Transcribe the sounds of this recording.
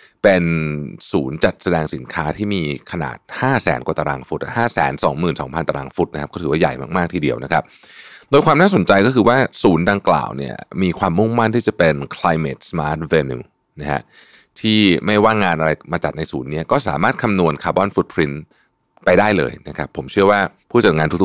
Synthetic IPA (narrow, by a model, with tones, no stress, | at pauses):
pe˧nsuː˩˦nt͡ɕa˨˩t̪̚sa˧dɛː˧ŋsi˨˩˦nkʰaː˦˥t̪ʰiː˥˩miː˧kʰa˧na̰ː˨˩t̪̚haː˥˩sɛ̰ː˩˦nkwa˨˩t̪a˧ɾaː˧ŋfu˦t̪̚haː˥˩sɛ̰ː˩˦nsɔː˩˦ŋmɯː˨˩nsɔː˩˦ŋpʰa˧nt̪a˧ɾaː˧ŋfu˦˥t̪̚n˦kʰa˦˥pkɔː˥˩ɯː˩˦waː˥˩ja̰˨˩jma̰ː˥˩k̚maː˥˩k̚t̪ʰiː˧˩di˧əwna˦kʰa˦˥p̚ | doː˧jkʰwaː˧mnaː˥˩so˩˦nt͡ɕa˧jkɔː˥˩ɯː˧waː˥˩suː˩˦ndaː˧ŋkla̰ː˨˩wnḭ˦˥˩ɐmiː˧kʰwaː˧mːu˥˩ŋma˥˩nt̪ʰiː˥˩t͡ɕa˨˩pe˧nkʰla˧jmḛː˨˩t̪̚smaː˦˥t̪̚we˧nṵː˧ | na˦˥a̰˦˥ʔ | t̪ʰiː˥˩ma˥˩jwaː˥˩ŋaː˧nʔa˧ɾa˧jmaː˧t͡ɕa˨˩t̪̚na˧jsuː˩˦nːi˦˥ɐkɔː˥˩sa̰ː˨˩˦maː˥˩t̪̚kʰa˧mnu˧ənkʰaː˧bɔ˥˩nfu˧˦˥t̪̚pʰɾi˦˥n | pa˧jdaː˥˩jlɤ̰ː˧jna˦˥kʰa˦˥pʰːo˩˦mt͡ɕʰɯ˥˩ɐwaː˥˩pʰuː˥˩t͡ɕa˨˩t̪̚ŋaː˧nt̪ʰu˦˥t̪